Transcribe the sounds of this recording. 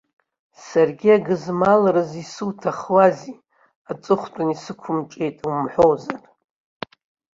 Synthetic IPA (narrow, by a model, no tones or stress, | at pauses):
sarɡʲiaɡɨzmalaɾɨzisɨwtʰaχwazi | at͡sʼɨχʷtʷʼʊnisɨkʷʰʊmʈ͡ʂʼe̞jtʼumħʷo̞wzar